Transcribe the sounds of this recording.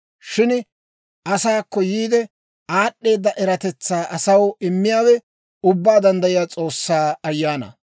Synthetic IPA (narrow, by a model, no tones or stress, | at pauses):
ʃɪn | ʔɐsaːkːɔjiːd̪ɛ | aːɗːe̞ːd̪ːɐʔɛɾɐt̪ɛt͡sːaːʔɐsɐwɪmːɪjaːwɛ | ʊbːaːd̪ɐnd̪ɐjɪjaːt͡sʼo̞ːsːaːɐjːaːnɐ̰